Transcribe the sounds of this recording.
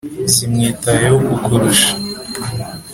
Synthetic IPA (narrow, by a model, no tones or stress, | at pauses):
simŋiːtajeoɡukʰuɾuʃḁ